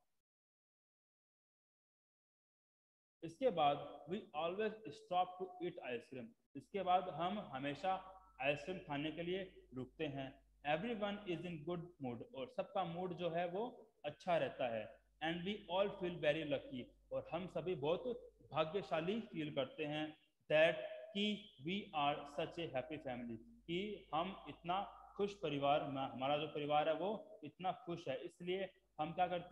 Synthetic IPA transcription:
ɪskebaːd̪ʋiːɔːlʋeːzsʈɔːp̚ʈuiːʈaːɪskɾĩm | ɪskebaːd̪ɦɐmɦɐmeːʃaaːɪskɾimt̪ʰaːnekelieɾʊːk̚t̪eɦɛ̃ | eʋɾiʋɐ̃nɪzɪ̃nɡʊɖ̚muːɖɔːɾsɐb̚kamuːɖd͡ʒoːɦɛʋoɐtːʃʰaɾɛɦt̪aɦɛ | ɛ̃ːɳɖʋiːɔːlfiːlbɛːɾilɐki | ɔːɾhɐ̃msɐbʱibɔːt̪bʱaːɡjəʃaːlifiːlkɐɾt̪eɦɛ̃ | d̪ɛːʈ̚kiʋiːaːɾsɐt͡ʃeɦɛːpifɛːmɪlikihɐmɪt̪naxʊʃpɐɾɪʋaːɾmɛ̃ɦɐmaːɾad͡ʒoːpɐɾɪʋaːɾɦɛʋoɪt̪naxʊʃɦɛʔɪslie | hɐ̃mkjaːkɐɾt̪

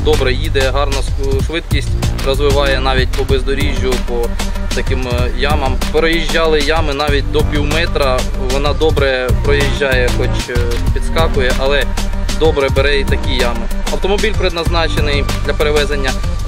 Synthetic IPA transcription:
d̪ɔbɾɛjid̪ɛɦɑrnɐʃʃʋɪd̪kʲisʲtʲrɔzʋɪʋɑjɛnɑʋʲitʲpɔbezd̪ɔɾʲiʒʲːʊpɔ | t̪ɐkɪmjɑmɐmpeɾejiʒʲːɑlˠɪjɑmɪn̪ɑʋʲit̚ʲd̪ɔpʲiwmɛt̪ɾɐ | ʋɔnɑd̪ɔbɾɛpɾɔjiʒʲːɑjɛxɔt͡ʃ | pʲid̪skɑkʊjɛʔɐlˠɛd̪ɔbɾɛbeɾɛt̪ɐkʲijamɪɐwt̪ɔmɔbʲilʲpɾed̪nɐznɑt͡ʃenɪjd̪ʲlʲɐpeɾeʋɛzenʲːɐ

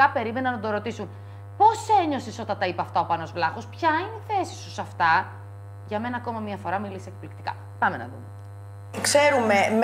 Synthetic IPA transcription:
ɐpe̞ɾime̞nɐnɐd̪o̞ɾo̞t̪isun | po̞se̞ɲo̞seso̞t̪ɐt̪ɐipɐːft̪ɐo̞pɐno̞zvlɐxo̞spçɐineiθe̞si̥susɐft̪ɐ | ʝɐme̞nɐːko̞mɐmiɐfo̞ɾɐmiliseekplikt̪i̥kɐ̰ | pɐmenɐ̰ðṵme | kseɾumem

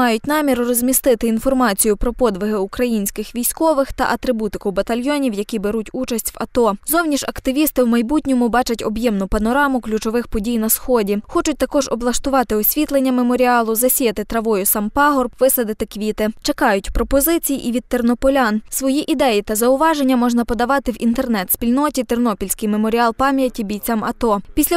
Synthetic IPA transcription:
ɑjʊt̚ʲnɑmʲiɾʊrɔzʲmʲist̪ɪt̪ɪinfɔrmɑt͡sʲijʊpɾɔpɔd̪ʋɪɦɪʊkɾɐjinʲsʲkɪxʋʲijsʲkɔʋɪxt̪ɐ̰ʔɐt̪ɾɪbut̪ɪkʊbɐt̪ɐlʲjɔnʲiwjɐkʲibeɾutʲut͡ʃɐsʲtʲwɐ̰t̪ɔzɔwnʲiʃɐkt̪ɪʋʲist̪ɪwmɐjbutʲnʲɔmʊbɑt͡ʃɐtʲɔbjɛmnʊpɐnɔɾɑmʊklʲʊt͡ʃɔʋɪxpɔdʲijnɐsxɔdʲixɔt͡ʃʊt̚ʲt̪ɐkɔʒɔblˠɐʃt̪ʊʋɑt̪ɪɔsʲʋʲit̪lˠenʲːɐmemɔɾʲiɑlˠʊzɐsʲijɐt̪ɪt̪ɾɐʋɔjʊsɑmpɑɦɔrʋɪsɐd̪ɪt̪ɪkʋʲit̪ɪt͡ʃɐkɑjʊtʲpɾɔpɔzɪt͡sʲijiʔiʋʲid̪t̪ernɔpɔlʲɑnsʋɔjiʔid̪ɛjit̪ɐzɐʊʋɑʒenʲːɐmɔʒnɐpɔd̪ɐʋɑt̪ɪwʔḭnt̪ernɛt̪sʲpʲilʲnɔtʲit̪ɪrnɔpʲilʲsʲkɪjmemɔɾʲiɑlˠpɑmʲjɐtʲibʲijt͡sʲamɐt̪ɔpʲisʲlʲɐ

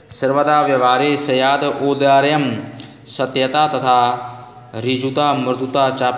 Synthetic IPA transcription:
sɪɾʋəd̪aːʋjɐʋaːɾeːsɐjaːd̪oːd̪aːɾjɐm | sɐt̪jɐt̪aːt̪ɐt̪ʰaː | ɾid͡ʒut̪aːmɪɾd̪ut̪aːt͡ʃaː

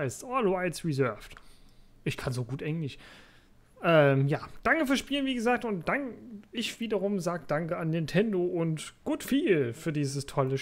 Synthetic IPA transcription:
ɪstɔːlwaɪsʁizœɐft | ʔɪçkʰanzoːɡuːtʔɛŋnɪç | ʔɛːmjaːd̥aŋkəfyːɐʃpiːlənviːɡəzaːk̚tʊnt̚d̥anɪçv̥iːdɐʁʊmzaːɡəd̥aŋkəanːɪntʰɛndoʔʊntɡ̥uːtfiːlfyːɐdiːzəstʰɔlə

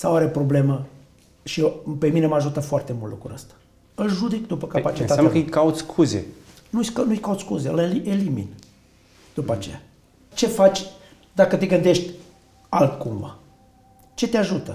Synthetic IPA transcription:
sawaɾepɾo̞ble̞mə | ʃipe̞mine̞maʒut̪əfoart̪e̞mult̪lṵkɾṵɾəst̪ḁ | ɨlʒud̪ekd̪upəkapat͡ʃiaaamnəkikaut̪skʰuzḛnuknujkawut̪skuzeɨllielimḭn | d̪̥upəat͡ʃe̞̰ja | t͡ʃe̞fat͡ʃʲ | d̪akət̪e̞ɡɨnd̪e̞ʃt̪ʲ | alt̪kumva̰ | t͡ʃe̞t̪eaʒut̪ə

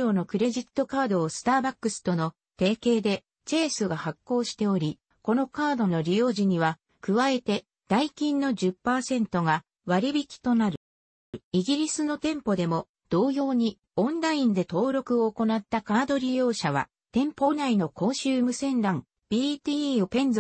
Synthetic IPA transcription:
o̞ːno̞kɯ̟ɾe̞ʑit̪ːo̞kaːd̪o̞ːsɨ̥t̪aːbakːɯ̟sɨ̥t̪o̞no̞ | t̪e̞ːke̞ːd̪e̞ | t͡ɕe̞ːsɨɡahakːo̞ːɕi̥t̪e̞o̞ɾʲi | ko̞no̞kaːd̪o̞no̞ɾʲijo̞ːʑiɲ̟iβa | kɯ̟βae̞t̪e̞ | d̪̥aikʲĩnːo̞ʑɨpːaːsẽ̞nt̪o̞ɡa | βaɾʲibʲikʲi̥t̪o̞naɾɯ̟ | iɡʲiɾʲisɨno̞t̪ẽ̞mpo̞d̪e̞mo̞ | d̪̥o̞ːjo̞ːɲ̟i | õnɾaĩnd̪e̞t̪o̞ːɾo̞kɯ̟oːko̞nat̪ːakaːd̪o̞ɾʲijo̞ːɕaβa̰ | t̪ẽ̞mpo̞naino̞ko̞ːɕɨːmɯ̟sẽ̞nɾãŋ | b̥ʲiːt̪ʲiːopẽ̞nz

